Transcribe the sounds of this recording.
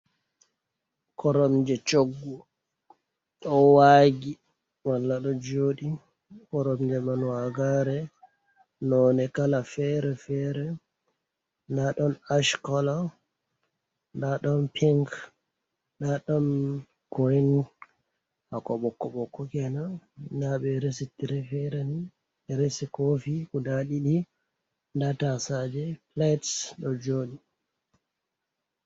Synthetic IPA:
kʰɔɾɔmd͡ʒɛt͡ʃoɡːu | ɗɔwaɡi | walːaɗɔd͡ʒoɗi | kɔɾɔmd͡ʒɛmanwaɡaɾɛ | nɔnɛkalafɛɾɛfɛɾɛ | ndaɗɔnaʃkɔla | ndaɗɔnpʰiŋk | naɗɔn | ɡɔn | hakɔɓɔkːɔɓɔkːɔkɛnanaɓɛɾes̬itiɾɛfɛɾɛni | ɾesikofikudaɗiɗi | ndatasad͡ʒɛplajtsɗɔd͡ʒoːɗi

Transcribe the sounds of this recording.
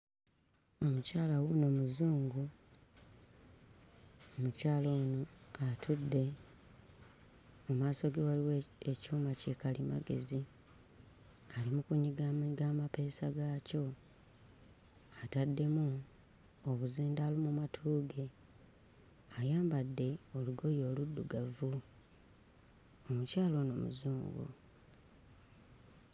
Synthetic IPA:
o̞mucaːlawuno̞ːmuzuːŋɡu | omucaːlonoatʰudːe̞ | omaːso̞ɡewaliweecuːmacekalima̰ɡe̞̰zi | alimukuɲːiɡaɡamape̞ːsaɡaco̞ | atadːe̞mu | oβuziːndaːlimumatʰuːɡe̞ | ajaːmbadːe̞o̞luɡo̞jo̞ːludːuɡavu | omucaːlo̞no̰mṵzuːŋɡo̰

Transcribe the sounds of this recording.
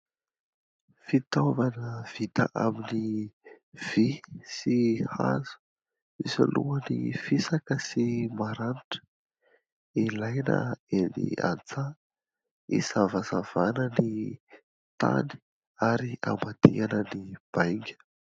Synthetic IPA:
fit̪avanəv̥it̪ə̰ʔamini | v̥isiha̰zu̥ | isa̰lʔuənḭfisakəsimaɾaniʈ͡ʂə̥ | ilajnə̰enḭa̰nt͡sa | ḭsavazav̥anəni | t̪a̰ni̥ | aɾia̰mbad̪ianənib̥ajŋɡʲə̥

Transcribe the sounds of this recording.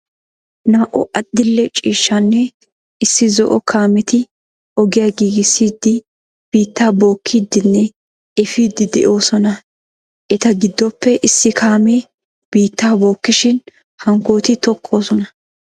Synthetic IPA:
naːʔɔ̰ʔɐd̪̥ːɪlːɛt͡ʃʼiːʃːanːɛ | ɪsːɪzɔʔɔkʰaːmɛt̪ɪ | ɔɡɪjaɡiːɡɪsːiːd̪ːɪ | b̥iːt̪ːaːbo̞ːkʰːiːd̪ːɪnːɛ | ɛfiːd̪ːɪd̪ɛ̰ʔo̞ːsɔnɐ | ʔɛt̪ɐɡɪd̪ːɔpːɛʔɪsːɪkʰaːmeː | b̥iːt̪ːaːbo̞ːkːɪʃɪn | hɐŋko̞ːt̪ɪt̪ɔkʰːoːsɔnɐ

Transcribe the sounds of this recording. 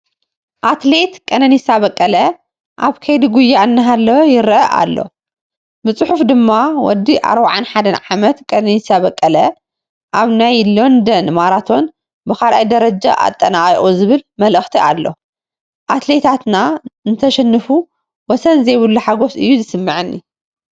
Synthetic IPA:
ʔat̪le̞t̪kʼɐnɐnisaβɐkʼːɐlɐ | ʔaβkʰɐjd̪iɡujːaʔɨnːɐɦalːɐjɪɾʔɐʔa̰lːo̞̰ | mɨsʼħufd̪ɨmːawɔ̰d̪iʔa̰ɾbaʕanħad̪ɐnʕamɐt̪kʼɐnɐnisaβɐkʼːɐlɐ | ʔaβnajlo̞nd̪ɐnmaɾat̪ʰo̞n | bɨkalʔajd̪ɐɾɐd͡ʒa̰ʔa̰t̪ʼːɐnaʔʼiʔʼuzɨβɨlmɐlɨxt̪ʰiʔa̰lːo̞̰ | ʔat̪le̞t̪ʰat̪nanɨt̪ʰɐʃɛnːɨfu | wɔsɐnzejβɨlːuħaɡo̞sɨjːuzɨsɨmːɨʕɨnːḭ

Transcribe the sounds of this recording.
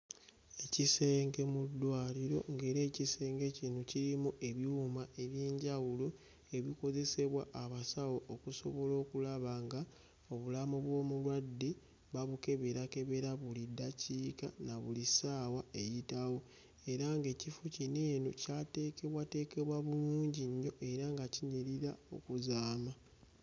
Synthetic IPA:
e̞cise̞ːŋɡe̞mud̪ːwaːliɾo̞ŋɡe̞ːɾe̞ːcise̞ːŋɡe̞cinuciɾimuʔe̞βjumae̞βjeːɲɟawulo | e̞βiko̞ze̞se̞βwaʔaβasawookuso̞βo̞lo̞ːkulaβaŋɡa | o̞βulamuβwo̞ːmulwadːi | βaβuke̞βe̞ɾake̞βe̞ɾaβulidaciːkanaβulisaːwae̞jitawo̞ | e̞ɾaŋɡe̞ːcifucine̞ːnocaːte̞ːke̞βwate̞ːke̞βwaβuluːɲɟiɲːo̞ʔe̞ɾaŋɡaciɲiɾiɾao̞̰kuzaːma

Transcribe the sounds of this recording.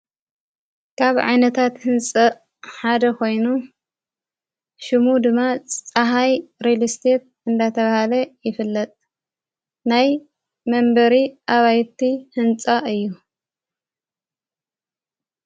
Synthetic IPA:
kʰaβʕa̰jnɐt̪ʰat̪hɨnt͡sʼɐ | ħad̪ɐko̞jnu | ʃɨmud̪ɨmːat͡sʼaɦajɾelist̪ʰet̪̚ɨnd̪at̪ʰɐβahalɐjɪfɨlːɐt̪ʼ | naj | mɐmbɐɾiʔaβajt̪ihɨnt͡sʼaɨjːu

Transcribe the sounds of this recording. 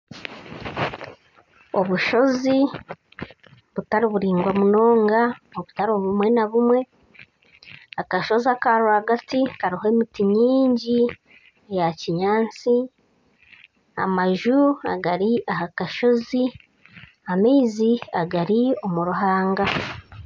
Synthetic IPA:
o̞βuʃo̞zi | βutaɾiβuɾiːŋɡwamuno̞ːŋɡaoβutaɾoβumwe̞naβumwe̞ | akaʃo̞ziakaɾohaɡatikaɾiɦoemitiɲiːɲɟi | jaciɲaːnt͡si | a̰maʒua̰ɡaɾiʔahakaʃo̞zi | amiːziaɡaɾio̞muɾuɦaːŋɡa

